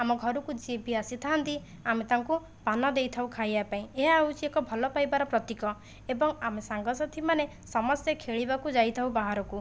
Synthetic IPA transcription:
amɔɡʱɔɾukud͡ʒebʱiasit̪ʰaɦant̪i | amet̪aŋku | banɔd̪ejt̪ʰawkʰajapaĩeɦaːut͡ʃʰiekɔbʱɔlɔpajbaɾɔpɾɔt̪ikɔ | ebɔŋamesaŋɡɔsɔt̪ʰimane | sɔmɔst̪jɔkʰeɭibakud͡ʒajt̪ʰaw̃baɦaɾɔku

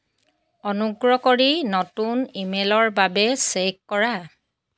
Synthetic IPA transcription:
ɔnuɡɹɔkoɹinɔtunimelɔɹbabɛsekkɔɹa

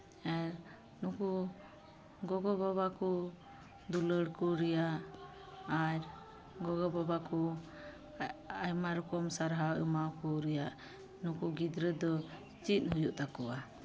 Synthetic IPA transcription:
ɛɾ | nuku | ɡɔɡɔbabakɔ | d̪uləɽkɔɾɛjaʔ | aɾ | ɡɔɡɔbabakɔ | ajmaɾɔkɔmsaɾɦawəmawkɔɾɛjaʔ | nukuɡid̪ɾəd̪ɔ | t͡ʃit̪̚hujuʔt̪akɔʔa

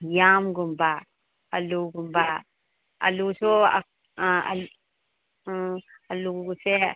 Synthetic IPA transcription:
jamɡumba | aluɡumba | a̰lusoa̰ | a̰ | aluɡɡuse

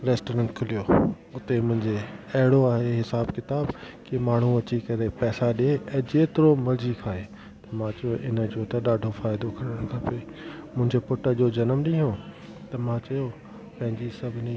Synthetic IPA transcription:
ɾeːsʈoːɾə̃ɳʈkʰʊlijo | ʊt̪emʊ̃ɦɪ̃ɲd͡ʑeɐɦɪɽoaːɦeɦɪsaːbkɪt̪aːbkimaːɳ̤ũɐt͡ɕikɐɾepɛːsaɗieɛ̃ːd͡ʑeːt̪ɪɾomɐɾd͡ʑikʰaːeː | t̪ɐmãt͡ɕɐjoʔɪnə̆d͡ʑot̪ɐɗaːɖʱofaːɪd̪okʰɐɾəɽ̃kʰapemʊ̃ɦɪ̃ɲd͡ʑepʊʈə̆d͡ʑod͡ʑɐnəmɗĩɦõ | t̪ɐmãt͡ɕɐjo | pɐ̃ɦɪ̃ɲd͡ʑisɐbʱɪnĩ

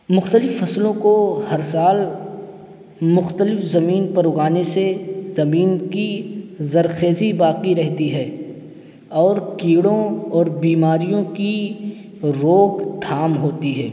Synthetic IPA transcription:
mʊxt̪əlɪfːɐslõkohɐɾsaːl | mʊxt̪əlɪfzɐmiːnpɐɾʊɡaːnesezɐmiːnkizɐɾxeːzibaːqiɾɛɦt̪iɦɛː | ɔːɾkiːɽõɔːɾbiːmaːɾijõki | ɾoːɡd̪ʱaːmɦoːt̪iɦɛː

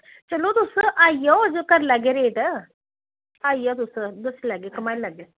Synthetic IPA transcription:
t͡ʃɐlot̪usəʔaːijɔd͡ʒokɐɾlaːɡeɾeːʈ̪ə | aːijɔt̪̬ʊsəd̪əslaːɡekɐmaːilaːɡe

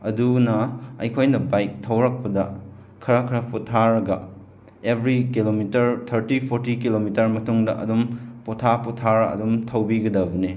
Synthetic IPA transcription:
ɐ̰dunɐɐjkʰojnɐbajk̚tʰɐwɾɐk̚pɐdɐ | kʰɐɾɐkʰɐɾɐputʰaɾɐɡɐ̰ | ebʱɾikilomitɐɾtʰɐɾtipʰoɾtikilomitɐɾmɐtuŋdɐ̰ʔɐ̰dumpotʰapɔtʰaɾɐɐ̰dumtʰɐwbiɡɐdɐbɐni

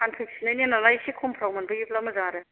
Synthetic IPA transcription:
anpʰiksinajnenalajsekʰompʰɾawmanbɐɡipʰlamɐzaɾe

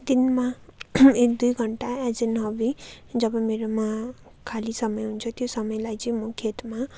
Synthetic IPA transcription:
d̪inma | ek̚d̪ujɡʱʌɳʈaɛd͡zenɦʌbi | d͡zʌbʌmeɾoma | kʰalisʌmʌjɦunt͡sʰʌt̪josʌmʌjlajt͡sʌĩmʌkʰet̪ma

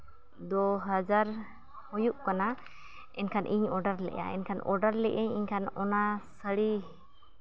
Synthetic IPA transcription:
d̪ɔɦad͡ʒaɾ | hɔjuʔkana | ɛnkʰanʔiɲɔɖaɾlɛ̰ʔa̰ɛ̰nkʰanɔ̰ɖaɾlɛʔɛɲiɲkʰanɔnasəɽi

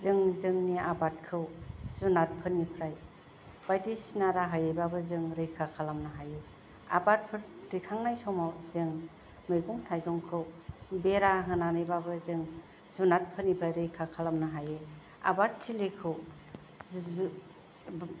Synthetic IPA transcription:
zɯŋzɯŋniabat̚kʰɯwzunat̚pʰɯnipʰɾaj | b̥ajtisnaɾaɦajejbabɯzɯŋɾɯjkʰakʰalamnaɦajɯ | a̰bat̚pʰɯɾdikʰaŋnajsɔmawzɯŋ | mɯjɡuŋtʰajdɔŋkʰɯwbeɾaɦɯnanɯjbabɯzɯŋ | zunat̚pʰɯnipʰɾajɾɯjkʰakʰalamnaɦajɯ | a̰bat̚tʰːilekʰɯw

